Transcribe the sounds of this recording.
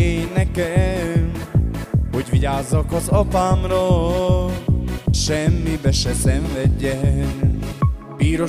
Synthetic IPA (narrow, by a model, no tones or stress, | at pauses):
enɛkɛ | ho̞ɟʋiɟaːzːɒkɒzɒpaːmrol | ʃɛmːibɛʃɛsɛɱvɛɟːɛ | biːɾo